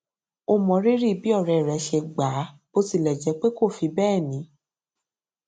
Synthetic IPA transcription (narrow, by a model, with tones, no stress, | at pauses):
o˧˦mɔ̃˨˦ɾi˦ɾi˦˨bi˦ɔ˦˨ɾɛ˨ɾɛ˨˦ʃɛ˧ɡ͡ba˨˦b̥o˧˦si˦˨lɛ˨d͡ʒɛ˨˦k͡pe˦ko˦˨fi˧bɛː˦˨nĩ˨˦